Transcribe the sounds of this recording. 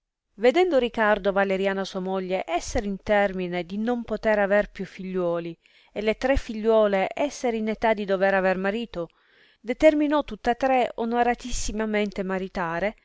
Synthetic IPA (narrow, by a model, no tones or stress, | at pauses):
ved̪ɛnd̪oɾikard̪ovaleɾjaːnasuamoʎːeʔɛsːeɾint̪ɛrmined̪inompot̪eɾaverpjufːiʎːwɔːli | elet̪ɾɛfːiʎːwɔːleʔɛsːeɾinet̪ad̪id̪oveɾavermaɾiːt̪o | d̪et̪erminɔt̪ːut̪ːat̪ːɾeonoɾat̪isːimament̪emaɾit̪aːɾe